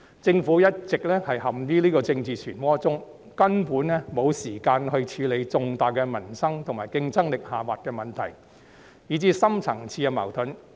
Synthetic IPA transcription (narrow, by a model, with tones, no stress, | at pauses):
t͡sɪ˧ŋfu˨˥jɐ˥t̚t͡sɪ˨k̚lɛː˥hɐ˨jhɐ˨mt̪iː˥liː˥kɔː˧t͡sɪ˧ŋt͡siː˨˩t͡ʃʰyː˨˩nwɔː˥t͡sʊ˥ŋ | kɐ˥npuː˨˥nlɛ˥mo˨˧wsiː˨˩kaː˧nhɵ˧ɥt͡ʃʰyː˨˧le˨˧jt͡sʊ˨˧ŋt̪aː˨jkɛː˧mɐ˨˩nsɐ˥ŋt̪ʰʊ˨˩ŋmaː˨˩jkɪ˧ŋt͡sɐ˥ŋlɪ˨k̚haː˨waː˨t̚kɛː˧mɐ˨nt̪ʰɐ˨˩j | jiː˨˥t͡siː˥sɐ˥mt͡sʰɐ˨˩ŋt͡sʰiː˧a˧mɐ̰˨˩wt̪ʰɵ˨˥n